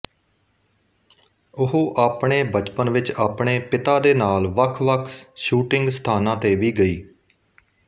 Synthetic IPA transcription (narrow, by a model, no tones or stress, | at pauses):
ʊɦoːʔaːpɳeːbət͡ʃpənʋɪt͡ʃaːpɳeːpɪt̪aːd̪eːnaːlʋəkʰʋəkʰʃuːʈɪ̃ŋɡst̪ʰaːnãːt̪eːʋiːɡəiː